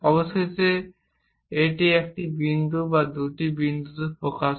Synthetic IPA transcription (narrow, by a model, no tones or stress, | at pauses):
ɔbost̪ese | eʈiɛk̚ʈibind̪ubad̪uʈibind̪ut̪eɾpɾokaʃ